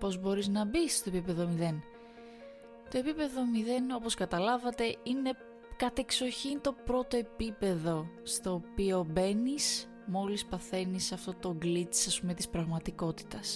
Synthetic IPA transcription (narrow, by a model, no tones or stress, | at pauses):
po̞zbo̞ɾiznɐbisst̪oepipe̞ðo̞miðe̞n | t̪o̞e̞pipe̞ðo̞miðe̞no̞po̞skɐt̪ɐlɐvɐt̪e̞ine̞ | kɐt̪e̞kso̞çint̪o̞pɾo̞t̪o̞e̞pipe̞ðo̞ | st̪o̞ːpio̞be̞nis | mo̞lispɐθe̞nisɐft̪o̞t̪o̞ɡlit͡s̪sɐspume̞t̪ispɾɐɣmɐt̪iko̞t̪i̥t̪ɐs